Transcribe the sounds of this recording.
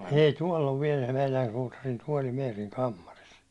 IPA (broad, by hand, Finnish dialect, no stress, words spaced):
ei tuɒl oʋ ʋiɛl meilæn suːtɑrin tuɒli meːriŋ kɑmːɑris